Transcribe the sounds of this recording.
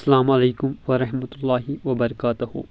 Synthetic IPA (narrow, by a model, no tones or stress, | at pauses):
sːalaːmʔaleːkʊmwaɾˤɑħmat̪ʊlˤːaːhɪwɐbɐɾˤɑkaːt̪ʊhʊ̰